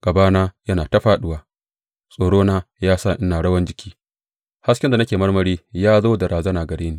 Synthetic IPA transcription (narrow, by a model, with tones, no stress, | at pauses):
ɡ̥ɐ˨baː˦naː˦jɐ˦naː˨tɐ˦ɸaː˦ɗʊ˦waː˨ | sʼoː˨ɽoː˦naː˦jaː˦sa˦˨ʔɪ˦naː˨ɽɐ˦wɐ˦nd͡ʒɪ˦kʲi̥ː˦ | ha˦skʲɪ˦nda˨nɐ˦kʲeː˨mɐ˦ɽmɐ˨˦ɽiː˦jaː˦zoː˦dɐ˨ɾʔaː˨zɐ˦naː˨ɡɐ˨ɽeː˦niː˨